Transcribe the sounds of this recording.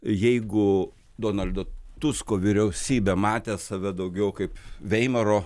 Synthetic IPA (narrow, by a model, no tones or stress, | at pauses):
jɛɪɡʊ | d̪oːnɐlʲd̪oːt̪ʊskoːʋʲɪɾʲɛʊsʲiːbʲeːmɑːt̪ʲeːsɐʋʲɛd̪ɐʊɡʲɛʊkɐɪpʋʲɛɪmʲɛɾoː